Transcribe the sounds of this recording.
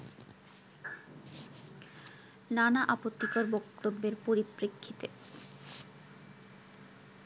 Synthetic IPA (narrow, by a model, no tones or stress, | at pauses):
nanaʔapot̪ːikaɾbokt̪obːeɾpoɾipɾekʰːit̪e